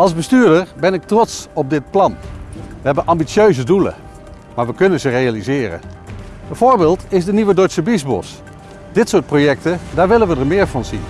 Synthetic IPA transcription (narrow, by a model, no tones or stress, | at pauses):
ʔɑlˠzbəstyːɹdəɹbɛnɪk̚trɔtsɔb̚dɪt̚plɑnʋəɦɛbənʔɑmbisjøɥzədulə̰ | maːɹʋəkɵnənzərejalizɪːrə̰ | bɛv̥oːɹbɪːlˠtɪzdəniʋədɔsəbizbɔ̰s | d̥ɪtsʊːt̚projɛk̚tədaːɹʋɪlənʋədəɹmɪːɹvɑnzin